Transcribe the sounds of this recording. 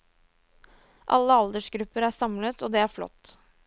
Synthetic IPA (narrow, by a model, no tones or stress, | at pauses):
ʔɑ̰lːəɑld̪əʂɡɾʉpːəɾæːsɑmlət̪ʰoːd̪eːæːɾflɔ̰t̪ː